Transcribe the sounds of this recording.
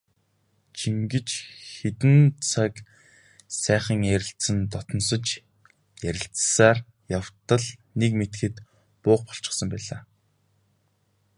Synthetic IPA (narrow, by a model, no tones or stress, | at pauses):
t͡ɕʰiŋɡɘ̆t͡ɕxet̪ɘ̆nt͡sʰak | sæːχə̆ŋæɾʲɪ̆ɬsɘ̆nt̪ɔt̪ɞ̆nsɞ̆t͡ɕ | jæɾʲɪ̆ɬt͡ssaːr | jaw̥t̪ə̆ɮnekmet̪xɘ̆t̪ | pʊːqpɔ̥ɬt͡ɕɪ̥̆χsə̆mpæːɮaː